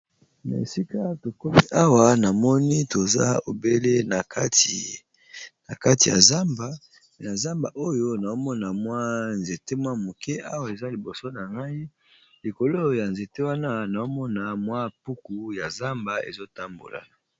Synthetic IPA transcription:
na̰˨e˨si˦ka˦to˨kɔ˦pi˦ʔa˦wa˨na˨mɔ˦ni˦to˨za̰˦o˨be˦le˦na˨ka˦ti˨ | na˨ka˦ti˨ja̰˨za˦mba˦˨ | na˨za˦mba̰˨ʔo˦jo˦na˨o˦mɔ˦na˨mwa˦nze˨te˦mwa˦mo˨kɛ˦ʔa˦wa˨e˨za˦li˨bo˨so˦na˨ŋɡa˦i˦ | li˨ko˨lo˦ja˨nze˨te˦wa˦na˦na˨o˦mɔ˦na˨mwa˦pu˦ku˨ja˨za˦mba˨ḛ˨zo˦ta˦mbo̰˨la̰˨

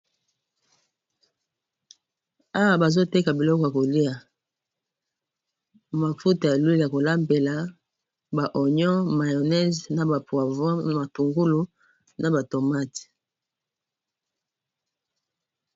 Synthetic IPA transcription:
a˦wa˦˨ba˨zo˦te˦ka˨bi˨lɔ˦kɔ˨ja˨ko˨li˦a˨ | ma˨fu˦ta˨ja˨lwi˦lja˨ko˨la˦mbe˨la˨ | ba˨ʔo˨ɲɔ˦ma˨jo˨nɛ˦zna˨ba˨pwa˨vɔ˦˨ma˨tu˨ŋɡu˦lu˦ | na˨ba˨to˨ma˦t

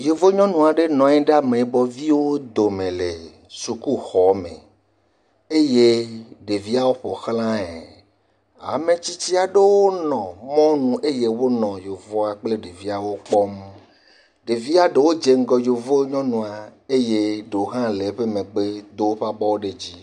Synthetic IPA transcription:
jo˨vo˦ɲɔ̃˦nũ˨a˨ɖe˦nɔ̃˨ɛ̃˦ɖa˦mẽ˨˦bɔ˦vi˦wo˦d̪o˨mẽ˨le˨ | su˨ku˦xɔ˨˦mḛ̃˨ | e˦je˦ɖe˨vi˦a˦wo˦ɸɔ̰˨xlã˦e˨ | a̰˨mẽ˨t͡ɕi˦t͡ɕi˦a˨ɖe˦wo˦nɔ̃˨mɔ̃˦nũ˨ʔe˦je˦wo˦nɔ̃˨jo˨vɔ˦a˨k͡ple˦ɖe˨vi˦a˨wo˦k͡pɔ˦m | ɖe˨vi˦a˦ɖe˨wo˦d͡ʒe˨ŋ̩˦ɡɔ˨jo˨vo˦ɲɔ̃˦nũ˨a˨e˦je˦ɖe˨o˨˦ɦã˦le˨ɸe˦mẽ˨ɡ͡be˦d̪o˦wo˦ɸa˦bɔ˦wo˦ɖe˨d͡ʑi˦

